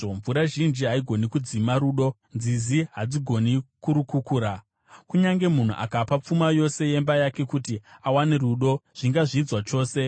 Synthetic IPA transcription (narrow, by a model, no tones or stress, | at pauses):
ɱvuɾaʒind͡ʒiɦaiɡʱo̞nikud͡zimaɾuːɗo̞ | nd͡ziziɦad͡ziɡʱo̞nikuɾukukuːɾa | kuɲaŋɡe̞mun̤ṵʔa̰kapap͡fumajo̞se̞je̞mbajake̞kutiawaneruɗo̞ʐ̥iŋɡaʐiːd͡zwat͡ʃo̞ːse̞